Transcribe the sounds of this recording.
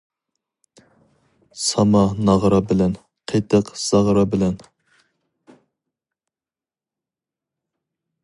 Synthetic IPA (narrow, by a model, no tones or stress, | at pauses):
sɑmɑnɑʁɾɑbɪlɛn | qʰet̪əqz̥ɑʁɾɑbɪlɛn